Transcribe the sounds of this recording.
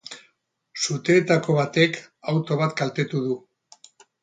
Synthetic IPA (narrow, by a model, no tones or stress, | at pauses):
sut̪eːt̪ako̞βat̪e̞k | awt̪o̞β̞at̪ɡalt̪e̞t̪uðu